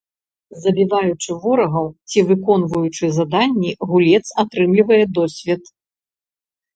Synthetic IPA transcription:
zɐbʲivajut͡ʂɨvɔɾɐɣɐwt͡sʲivɨkɔnvɐjut͡ʂɨzad̪anʲːiɣulʲɛt̪sat̪ɾɨmlʲivɐjɛd̪ɔsʲvʲɛt̪

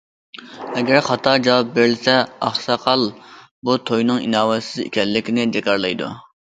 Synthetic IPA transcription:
ɛɡʲɛɾχɑt̪ʰɑd͡ʒɑwɑp̚beɾɪlsɛɑχsɑqʰɑlˠ | but̪ʰojnɨŋḭnɑːwɛsɪzḛkʲʰɛlːɪkʲinɪd͡ʒɛkʲɑɾlˠɑjd̪ṵ

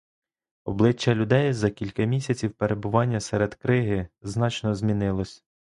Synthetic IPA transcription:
ɔblˠɪt͡ʃːɐlʲʊd̪ɛjzɐkʲilʲkɐmʲisʲɐt͡sʲiwpeɾe̞bʊʋɑnʲːɐsɛɾed̪̥kɾɪɦɪznɑt͡ʃnɔzmʲinɪlˠɔsʲ

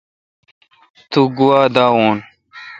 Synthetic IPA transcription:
t̪uɡuwaːd̪aːwuːn

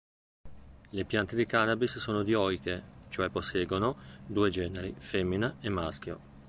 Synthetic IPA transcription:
lepjant̪ed̪ikanabissoːnod̪iɔjket͡ʃoɛpːosːɛːɡonod̪uːed͡ʒɛːneɾḭfɛmːinaemːask̟jo̰

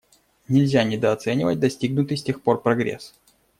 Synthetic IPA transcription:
nʲɪlʲzʲanʲɪd̪əɐt̪sɛnʲɪvə̰t̚ʲd̪ɐsʲtʲiɡnʊt̪ɨsʲtʲe̞xpo̞rpɾɐɡɾʲḛs

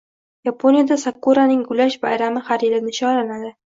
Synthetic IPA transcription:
japʰonijad̪asakːoɾanɪŋɡʊlaʃbajɾamɪhaɾjɪlɪnɪʃɒɾanad̪ɪ

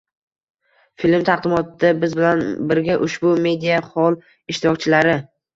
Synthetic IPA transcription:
filmt̪ʰɑχd̪ɪmɒt̪ʰɪd̪abɪzbɪlanbɪɾɡʲaʔʊʃbʊme̞d̪ijahɒlˠ | ɪʃt̪ɪɾɒk̚ʲt͡ʃʰɪlaɾɪ

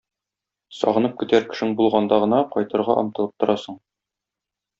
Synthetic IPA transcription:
sɒ̰ʁɤ̆nɤp̚kɘ̆t̪æɾkɘ̥̆ʃɘŋbulˠʁɑnd̪ɑʁɤ̆nɑqɒjt̪ɤ̆ɾʁɑʔɒ̰mt̪ɤ̆lˠɤ̥p̚t̪ŏɾʔɑsɤɴ

